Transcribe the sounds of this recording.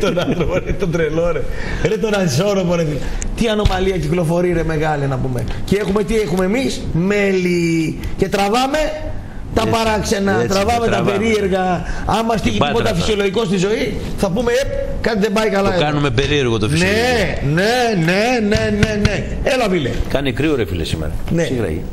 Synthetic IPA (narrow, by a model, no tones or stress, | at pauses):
t̪onɐt̪ɾoɾet̪od̪ɾeloɾe | ɾet̪onɐnsoɾopoɾeθi | t̪iɐno̞mɐliɐciklo̞fo̞ɾiɾeme̞ɣɐlinɐpume̞̰ceexumet̪iexumeːmismeli | ce̞t̪ɾɐvɐme̞ | t̪ɐpɐɾɐkse̞nɐt̪ɾɐvɐmet̪ɐpeɾie̞ɾɣɐɐmɐst̪içippod̪ɐfisioloʝiko̞st̪izo̞i | θɐpume̞ep | kɐt̪iðembɐikɐlɐkɐnumepeɾieɾɣot̪ofnse | nenenene̞ne | elɐpilḛkɐnikɾioɾefḭlesimḛɾɐ̰nesiɣɾɐ̰ḭ